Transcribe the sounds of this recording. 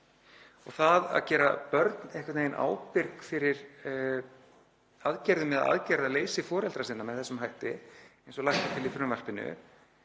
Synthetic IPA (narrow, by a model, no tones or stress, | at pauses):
ɔɣθaða̰ðcɛːɾapœɾt̪nejhkwvat̪neːjɪnʔa̰ːwpɪɾkfɪɾɪɾ̥ | aðcɛɾðʏmɛða̰ʔa̰ðcɛɾðaðleːjsɪfɔːɾɛlt̪ɾasɪnːamɛðθɛsːʏmɦajht̪ɪejnsɔlaxt̪at̪ʰɪlɪfʏɾʏmvar̥pɪnʏ̰